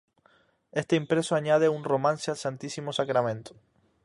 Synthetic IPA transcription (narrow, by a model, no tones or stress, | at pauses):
est̪eimpɾesoaɲað̞eunromãnsealsant̪isimosakɾamẽnt̪o̥